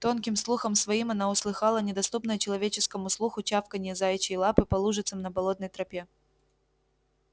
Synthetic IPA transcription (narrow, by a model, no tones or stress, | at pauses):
t̪o̞nkʲɪmslˠuxəmsvɐimɐnaʊslˠɨxɑlˠənʲɪd̪ɐst̪upnəjət͡ɕɪlˠɐvʲet͡ɕɪskəmʊslˠuxʊt͡ɕafkənʲɪɪzajɪt͡ɕːɪjlˠapɨpɐlˠuʐɨt̪səmnəbɐlˠo̞t̪nəjt̪ɾɐpʲe